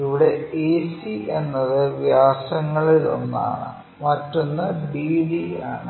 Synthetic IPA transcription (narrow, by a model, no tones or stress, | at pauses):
iʋiɽe̞eːsie̞nːɐðɨʋjaːsɐŋːɐɭilo̞̰nːa̰ːɳɨ̰ | mɐtːonːɐɖiːɖia̰ːɳɨ